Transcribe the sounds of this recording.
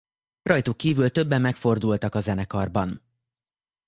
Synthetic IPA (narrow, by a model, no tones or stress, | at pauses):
rɒjt̪ukkːiːvylt̪ø̞bːɛmːɛkfo̞rd̪ult̪ɒkɒzɛnɛkɒrbɒn